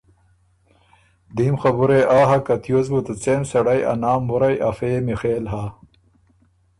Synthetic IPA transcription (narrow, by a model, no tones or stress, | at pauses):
d̪imxɐbuɾeʔaːɦɐkɐt̪jozbut̪ɐt͡seːmsɐɽɐjɐ̰naːmːuɾɐjɐfeːmixeːlɦaː